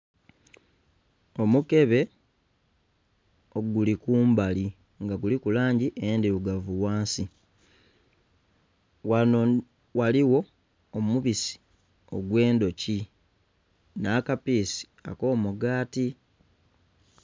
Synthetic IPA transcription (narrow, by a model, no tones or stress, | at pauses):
o̞muke̞βe̞ | oɡulikuːmbali | ŋɡaɡulikulaːɲɟiʔendiβuɡavuwaːnsi | wao | waliwo̞ː | muβisi̥ | o̞̰ɡwe̞ːndo̞ci | nakapiːsi̥a̰ko̞ːmuɡaːti